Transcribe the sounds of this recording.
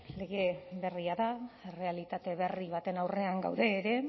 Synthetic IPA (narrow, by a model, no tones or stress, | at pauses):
le̞ɣe̞βe̞riaðaere̞alit̪at̪e̞βe̞riβ̞at̪e̞nawre̞aŋɡa̰wðe̞ːɾe̞